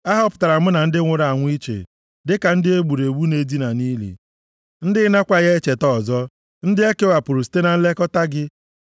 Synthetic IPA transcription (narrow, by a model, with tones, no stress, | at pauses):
a˦ɦɔ˦pʊ̥˨ta˨ɾa˨m̩˦na˨n̩˦dɪ˦ŋʷʊ˨ɾa˨ŋʷ˦i˦t͡ʃḛ˨ | dɪ˦ka˨n̩˦dɪ˦e˦ɡ͡bu˨ɾe˨ɡ͡bu˦ne˨di˦na˨ni˦lḭ˨ | n̩˦dɪ˦na˦kʷa˨ɣe˦e˦t͡ʃe˨tɔ˦˨zɔ˦ | n̩˦dɪ˦e˦ke˦wa˨pʊ˨ɾu˨si̥˨te˦na˨n̩˦le˦kɔ˦ta˦ɡɪ˦